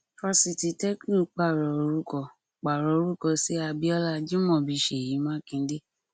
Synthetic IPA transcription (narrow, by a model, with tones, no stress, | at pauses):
fɔ˧si˧ti˨˧tɛ˦ki˦˨˦k͡pa˦˨ɾɔ˨o˨˧ɾu˦kɔ˦˨ | k͡pa˨ɾɔ˨o˧ɾu˦kɔ˦˨si˨˦a˧bi˦ɔ˦la˦˧d͡ʒũ˦mɔ̃˦˨bi˨˧˦ʃe˨jĩ˨˦mãː˦kĩ˧n̩˦de˦